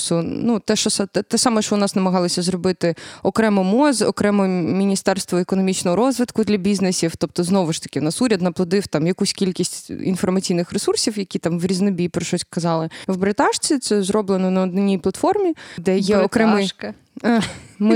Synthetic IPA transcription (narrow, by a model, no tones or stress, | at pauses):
sunut̪ɛʃt͡ʃɔst̪ɛt̪ɛsɑmɛʃt͡ʃɔʊnɑsnɐmɐɦɑlˠɔsʲɐzɾɔbɪt̪ɪɔkɾɛmɔmɔzɔ̰kɾɛmɔmʲinʲist̪ɛrst̪ʋɔekɔnɔmʲit͡ʃnɔɦɔɾɔzʋɪt̪kʊd̪lʲɐbʲiznesʲift̪ɔp̚t̪ɔznɔʋʊʃt̪ɐ̥kʲɪʊnɑsuɾʲɐd̪nɐplˠɔd̪ɪwt̪ɑmjɐkusʲkʲilʲkʲisʲtʲḭnfɔrmɐt͡sʲijnɪxɾesursʲiwjɐkʲit̪ɑmʋɾʲiznɔbʲipɾɔʃɔsʲkɐzɑlˠɪwbɾet̪ɑʂt͡sʲit̪sɛzɾɔblˠenɔnɐɔd̪nɔnʲijplˠɐt̪fɔrmʲid̪ɛjɛɔkɾɛmɪ | mɪ